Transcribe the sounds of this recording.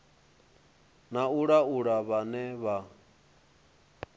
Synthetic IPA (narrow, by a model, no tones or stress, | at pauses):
nauɺauɺaβanɛβa